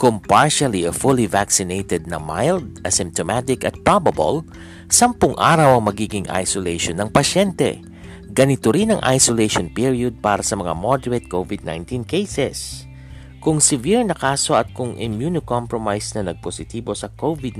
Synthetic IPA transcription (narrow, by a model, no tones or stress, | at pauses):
kʊŋpaɹʃɐliɐfulivaksɪnejt̪ɛd̪̚nɐ̰majld̪̚ɐsɪ̃mp̚t̪omat̪ɪkɐt̪̚pɹabɐbo̰l | sɐmpʊŋʔa̰ːɾɐwɐŋmɐɡiːɡɪŋa̰jsolejʃonɐŋpɐʃɛnt̪ɛ̰ | ɡɐnɪt̪oɾinɐŋʔa̰jsolejʃonpiɹiʊd̪̚paːɾɐsɐmɐŋa̰mod̪ɛɹet̪̚kowvɪd̪̚na̰jnt̪inkejsɛs | kʊŋsɪviɹnɐkaːso̞ɐt̪̚kʊŋɪ̰mjunɪkompɹomajsnɐnɐɡ̚posɪt̪iːbo̞sɐkowvɪd̪